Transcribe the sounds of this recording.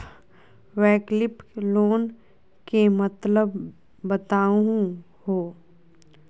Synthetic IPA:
ʋɛːklɪploːn | kemət̪ləbː | ət̪aːuɦũ | hoː

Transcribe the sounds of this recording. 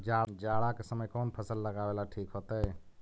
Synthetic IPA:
d͡ʒad͡ʒaɽakesəməjkonpʰəsəlːəɡabelaʈʰikɦot̪əj

